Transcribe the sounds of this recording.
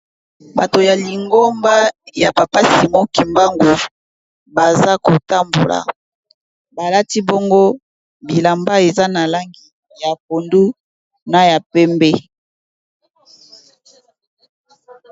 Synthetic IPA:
ba˨to˨ja˨li˨ŋɡo˦mba˦ja˨pa˨pa˦si˨mo˦ki˨mba˦ŋɡu˨ | ba˨za˦ko˨ta˦mbo̰˨la̰˨ | ba˨la˦ti˦bo˦ŋɡo˦ | bi˨la˨mba˦e˨za˦na˨la˦ŋɡi˨ | ja˨p̚o˨ndu˦ | na˨ja˨pɛ˦mbɛ˦

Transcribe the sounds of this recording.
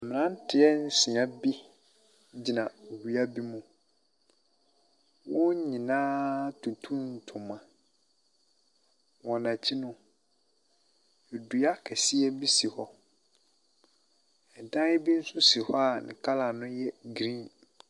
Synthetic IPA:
a˨mɪ̃˨nã˦n̩˦tʰɪ˨ɛ˦n̩˦sĩ˨ã˦bi˦ | d͡ʑi˨nã˨o˨wi˨a˦bi˦mũ˦ | wɔ̃˦ɲĩ˨nãː˦tʰũ˨tʰũ˦n˨tʰʊ̃˨mã˨ | wɔ̃˨nã˨t͡ɕʰi˦nʊ̃˦ | e˨du˨a˦kʰɛ˨si˦ɛ˦bi˦si˨hɔ˦ | ɛ˨n˨tã˦ɛ˦bi˦n̩˦sʊ̃˦si˨hɔ˦a˨nɪ̰̃˨kʰa˦la˨nʊ̃˦jɛ˦ɡɾĩ˦n

